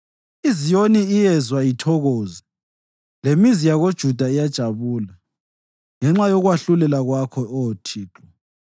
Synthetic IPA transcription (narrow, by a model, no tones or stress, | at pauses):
izijoniːjɛzwajitʰɔɣoːzi | lemizijaɣod̥ʒ̥ʱud̥ʱaijad̥ʒ̥ʱaβuːla | ŋɛŋ͡ǁajɔɣwaɬulɛlaɣwakʰɔɔtʰiːǁɔ